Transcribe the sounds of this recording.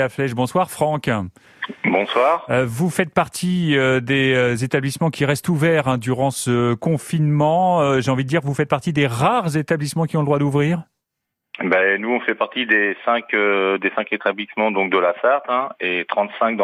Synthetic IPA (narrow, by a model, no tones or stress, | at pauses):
aflɛʃbɔ̃swaʁfχɑ̃k | bɔ̃swaːʁvufɛt̪̚paʁt̪ʰiød̪eøzet̪ablismɑ̃kʲiʁɛst̪uvɛʁɛ̃d̪yʁɑ̃səkɔ̃finmɑ̃ʒeɑ̃vid̪əd̪iʁvufɛt̪̚paʁt̪id̪eʁaʁzet̪ablismɑ̃kʲiɔ̃ləd̪ʁwad̪uvʁiːʁ | bɛnuɔ̃fɛpaʁt̪id̪esɛ̃kød̪esɛ̃ket̪ablismɑ̃d̪ɔ̃k̚d̪əlasaʁt̪ɛ̃et̪χɑ̃t̪sɛ̃k̚d̪̃